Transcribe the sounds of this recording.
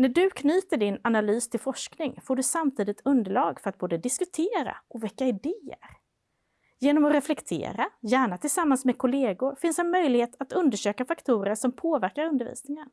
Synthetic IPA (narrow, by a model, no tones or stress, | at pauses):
næɖɵkʰnyːt̪əɖɪnanalyːst̪ʰɪlfɔʂknɪŋfoːɖɵsamt̪ʰiːd̪ɪt̪ʰɵnd̪əɭɑ̰ːɡfœɾat̪̚boːd̪əd̪ɪskɵt̪ʰeːɾa̰ʔɔvɛkːaɪd̪eːə̰ɾ | jeːnɔmɔɾɛflɛkt̪ʰḛːɾajæːɳat̪ʰɪlsamːansmɛkʰʊleːɡʊɾfɪnsɛnmœjlɪheːt̪ʰat̪ɵnd̪əʂøːkafakt̪ʰuːɾəʂɔmpʰoːvæɾkaɾɵnd̪əɾvḭːsnɪŋan